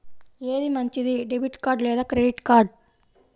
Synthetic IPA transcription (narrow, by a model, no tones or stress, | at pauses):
eːd̪imɐɲt͡ʃid̪iɖebiʈkaːɾɖlɛːd̪aːkɾeɖiʈkaːɾɖ